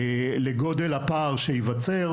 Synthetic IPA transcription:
leɡo̞delapaʁʃeivat͡seʁ

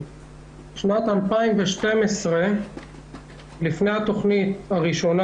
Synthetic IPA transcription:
ʃnat̪ampaimveʃte̞mesʁe | lifnejhat̪o̞χnit̪haʁiʃo̞na

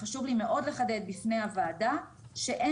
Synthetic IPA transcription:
aʃuvlime̞ʔo̞dle̞χade̞d̪̚bifne̞jhavaːda | ʃe̞ʔe

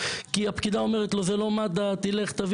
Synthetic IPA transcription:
kiapkid̪ao̞meʁet̪lo̞zelo̞mad̪at̪ileχt̪av

